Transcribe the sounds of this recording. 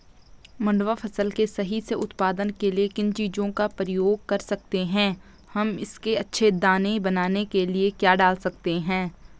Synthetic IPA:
mɐ̃ɳɖʋafʰɐsəlkesɐɦiseʔʊt̪paːd̪ənkeliekɪnt͡ʃiːd͡ʒõkapɾɪjoːɡ̚kɐɾsɐk̚t̪eɦɛ̃ː | hɐmɪ̰skeɐtːʃʰed̪aːnebɐnaːnekeliekjaːɖaːlsɐkt̪eɦɛ̃ː

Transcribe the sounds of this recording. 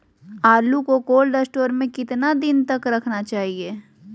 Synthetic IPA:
aːlukokoːlɖɐsʈoːɾmẽkɪt̪nad̪ɪnt̪ɐkɾɐkʰnat͡ʃaːɦieː

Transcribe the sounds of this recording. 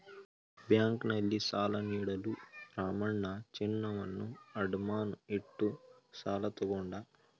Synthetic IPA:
bjaːŋknɐlːisaːlɐniːɽɐluɾaːmɐɳːɐt͡ʃinːɐʋɐnːuɐɖumaːnuiʈːu | saːlɐt̪ɐɡɔɳɖa

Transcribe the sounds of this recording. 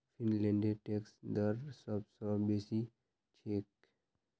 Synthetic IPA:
fʰinlẽɳɖeʈeksd̪əɾsɔbsɔ̃besi | t͡ʃʰek

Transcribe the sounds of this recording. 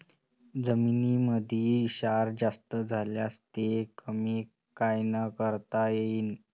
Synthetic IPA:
d͡zəminiːməd̪ʱiːiɕaɾd͡zast̪əd͡zʱaljast̪ekʰəmiː | kajnəkəɾt̪ajeiːn

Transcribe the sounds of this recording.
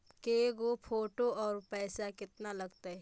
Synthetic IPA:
keɡopʰoːʈoɔːɾpɛːsakɪt̪nalɐɡt̪aɦɛ

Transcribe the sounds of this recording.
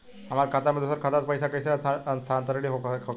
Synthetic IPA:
am̤aɾkʰat̪aməd̪eusəɾkʰat̪at͡spəjsakəjsaat͡sʰant̪əɾɽiɦokʰo

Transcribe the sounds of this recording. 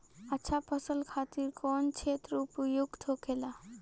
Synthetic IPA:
ətːʃʰapʰəsəlkʰaːt̪iɾkɔːnt͡ʃʰet̪ɾuːpujuɡt̪ʰokela

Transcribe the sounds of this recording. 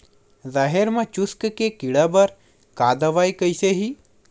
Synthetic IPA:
zaɦeɾmãt͡ʃʊskkekiɽabəɾ | kad̪əʋajkəjseɦi

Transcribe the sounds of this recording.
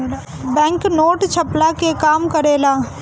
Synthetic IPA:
bɛ̃ːŋknoːʈt͡ʃʰɐplakekaːmkɐɾeːlaː

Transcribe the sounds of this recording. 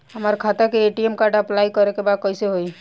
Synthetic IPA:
ɦəməɾkʰat̪ekeeʈiemkaɾɖaəplaikəɾekebad̪̚kəɪseɦoj

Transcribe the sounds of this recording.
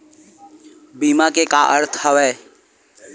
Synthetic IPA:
biːmakekaʔə̰ɾt̪ʰɦəʋɛː

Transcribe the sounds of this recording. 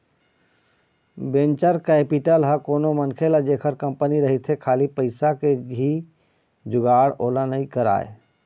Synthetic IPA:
bẽnt͡ʃəɾkeːpiʈəlɦəkoːnomənkʰelad͡ʒeːkʰəɾkə̃mpəniɾəɦit̪ʰɦekʰaːlipəɪsakeɦi | d͡ʒʊɡaːɽoːlanəĩkəɾa̰ːḛ

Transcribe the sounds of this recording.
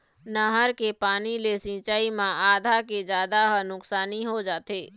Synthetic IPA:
naɦəɾkepaːnilesĩːt͡ʃaːimãʔaːd̪ʱaked͡ʒaːd̪aɦənʊksaːniɦod͡ʒaːt̪eː

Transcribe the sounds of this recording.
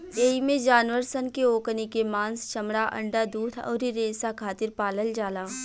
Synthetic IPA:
eːimẽd͡ʒaːnʋəɾsənkeoːknikemãːnst͡ʃɐmɽaʔɐ̰̃ɳɖad̪uːt̪ʰɔ̰ːɾiɾeːsakʰaːt̪ɪɾpaːləld͡ʒaːlaː

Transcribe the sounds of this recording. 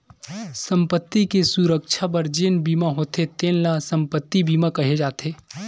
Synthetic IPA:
sə̃mpət̪ːikesuɾəkʃʰap̬əɾd͡ʒeːnbiːmaɦoːt̪ʰet̪eːnlasə̃mpət̪ːibiːmakɐɦed͡ʒaːt̪eː

